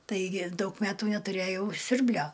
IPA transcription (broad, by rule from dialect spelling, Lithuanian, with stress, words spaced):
ˈtɐɪɡʲɪ ˈdɐʊk ˈmʲæːtuː nʲɛtʊˈrʲeːjɛʊ ˈsʲʊrʲbʲlʲoː